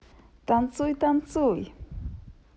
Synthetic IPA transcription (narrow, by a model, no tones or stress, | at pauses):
t̪ant͡sʊjt̪ant͡sʊj